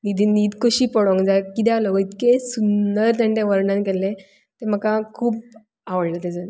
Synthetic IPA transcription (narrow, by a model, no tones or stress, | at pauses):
nid̪ʱinid̪koɕiːpɔɽɔ̃ŋɡd͡zakit̪̬ɛalɔɡit̪kẽsunəɾt̪ɛ̃ɳʈẽʋəɾɳãnkelːẽ | t̪em̤əkakʰuːp | aʋəɽlət̪ed͡zən